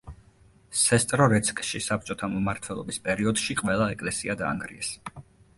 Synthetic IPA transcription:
sɛst̪ʼɾɔɾɛt̪sʰkʼʃisap̚t͡ʃʼɔt̪ʰammaɾt̪ʰwɛlˠɔ̰bispʼɛɾiɔd̪ʃiqʼvɛlˠaɛkʼlɛsiad̪a̰ːŋɡɾḭɛs

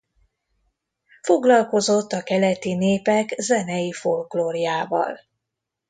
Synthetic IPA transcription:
fo̞ɡlɒlko̞zo̞t̪ːɒkɛlɛt̪ineːpɛkzɛnɛjifo̞lkloːrjaːvɒ̰l

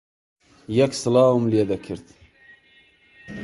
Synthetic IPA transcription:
jɛksɨlɑːwumljed̪ɐkʰɨɾt̪

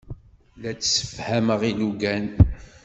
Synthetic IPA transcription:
læt͡sːsə̥fhæməʁiluɡæn

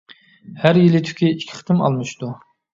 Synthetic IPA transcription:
hæɾjilɪt̪ʰy̥kʲʰiikʲʰːi̥χt̪ʰɨmɑ̰lˠmɨʃt̪u

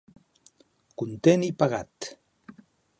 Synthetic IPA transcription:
kunt̪enipaɢat̪

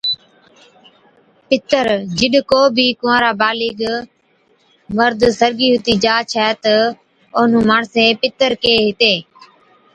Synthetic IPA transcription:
pɪt̪əɾd͡ʒɪɗkoːbʱiːkʊãːɾaːbaːlɪːɡ | məɾd̪səɾɡiːɦʊt̪iːd͡ʒaːt͡ʃʰɛːt̪ə | oːn̤ũːmaːɳsẽːpɪt̪əɾkeːɦɪt̪eː

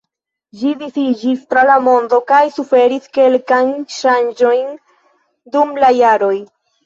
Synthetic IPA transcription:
d͡ʒidifid͡ʒistɾalamo̞ndo̞kajsufe̞ɾiske̞lkajnnʃand͡ʒo̞jn | dumlajaɾo̞j

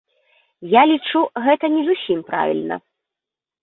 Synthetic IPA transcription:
jalʲit͡ʂuɣɛt̪ɐnʲɛzusʲimpɾa̰vʲḭlʲnɐ̰

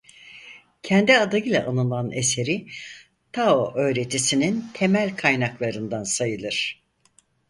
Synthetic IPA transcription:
cʰɛnd̪iad̪aɯlˠa̰ʔanɯlˠane̞se̞ɾi | t̪ʰaoʔø̞ːɾe̞t̪ʰisinint̪ʰe̞mælʲkʰajnaklˠaɾɯnd̪ansajɯlˠɯɾ̥

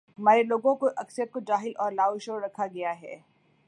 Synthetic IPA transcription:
ɦɐmaːɾeloːɡõkoʔɐksəjət̪̚kod͡ʒaːɦɪlɔːɾlaːoʃoːɾɐkʰaɡɐjaɦɛ̰ː

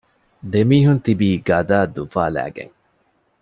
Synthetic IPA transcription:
d̪emiːɦunt̪ibiːɡɐd̪aːd̪ufaːlæ̰ːɡḛŋ

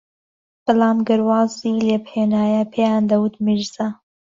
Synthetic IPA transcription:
b̥ɨlaːmɡɨɾwɑːzilebheːnaːjɐpʰejaːnd̪ɐwut̪miɾzɐ

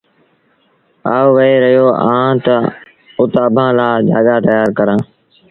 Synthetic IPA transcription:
a̰ːʋəeːɾəjoːʔãːt̪ə | ʊt̪aːbʱãːlaːd͡ʒaːɠaːt̪əjaːɾkəɾãː

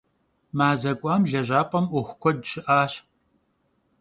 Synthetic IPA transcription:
maːzɐkʷʼɑːmɮɐʒʷaːpʼɐmʔʷʊxʷkʷɔdɕɪʔaːɕ

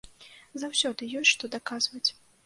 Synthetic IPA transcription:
zawsʲɔd̪ɨjɔsʲʂt̪ɔd̪akazvɐt͡sʲ

